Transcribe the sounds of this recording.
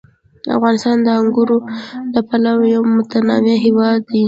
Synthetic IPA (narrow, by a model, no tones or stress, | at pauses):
a̰fɣɑnɪst̪ɑnd̪əaŋɡuɾoləpalawjawmʊt̪anɑmeɦɪwɑd̪ːi